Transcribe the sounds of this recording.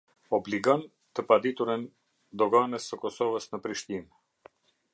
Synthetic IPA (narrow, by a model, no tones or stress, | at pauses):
ɔbliɡɔn | t̪əpad̪it̪uɾən | d̪ɔɡanəsːəkɔsɔvəsnəpɾiʃt̪in